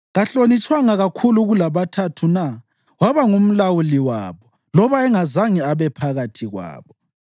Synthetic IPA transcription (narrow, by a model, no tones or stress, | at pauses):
ɣaɬonit͡ʃʼwaŋaɣakʰuluɣulaβatʰatʰuna | waβaŋum̩lawuliwa̰ːβɔ | lɔβaɛŋazaŋiaβɛpʰaɣatʰiɣwa̰ːβɔ